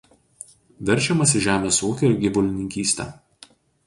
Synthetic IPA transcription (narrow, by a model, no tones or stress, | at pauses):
ʋʲɛɾʲˑt͡ʃʲɛmɐsʲɪʒʲæːmʲeːsuɔkʲɛɡʲɪʋʊlʲɪnʲɪŋʲkʲiːsʲt̪ʲɛ̰ː